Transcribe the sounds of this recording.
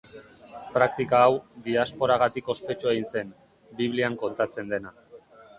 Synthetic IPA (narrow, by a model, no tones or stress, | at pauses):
pɾak̚t̪ikaːwd̪iaspo̞ɾaɣ̞at̪iko̞spe̞t͡ʃuejnse̞n | biβ̞liaŋko̞nt̪at͡se̞nd̪e̞na